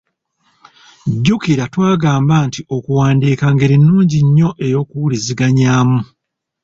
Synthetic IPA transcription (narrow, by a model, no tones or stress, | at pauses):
ɟːukiɾatwaːɡaːmbaːntiʔo̞kuwaːndiːkaŋɡeɾinːuːɲɟiɲːo̞ʔe̞jo̞ːkuwuliziɡaɲaːmu